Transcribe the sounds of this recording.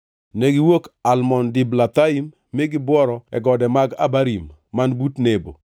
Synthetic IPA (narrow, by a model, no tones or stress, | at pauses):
nɛɡɪwokalmɔndɪblat̪aimːɪɡɪbwɔɾɔɛ̰ɡɔdɛmaɡa̰baɾimːanbutnebo̰